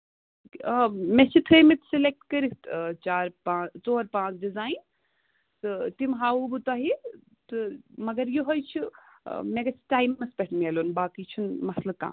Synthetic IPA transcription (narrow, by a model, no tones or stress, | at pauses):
met͡ʃʰit̪ʰəjmit̪ʰsilek̚ʈkɐɾit̪t͡ʃaːɾpãːt͡soːɾpãːt͡ʃɖizaːin | sɨt̪imɦaːubut̪aːɦi | t̪ɨmɐɡɐɾjuɦojt͡ʃʰḭ | meɡɐsʰʈaːjmːɐspʲeʈʰmieːloːnbaːkit͡ʃʰunmɐslɐb̚kã̰ː